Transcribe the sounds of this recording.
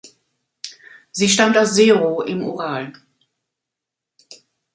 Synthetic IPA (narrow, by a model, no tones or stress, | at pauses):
ziːʃtantaʊsz̥eːʁoʔɪmʔṵʁaːl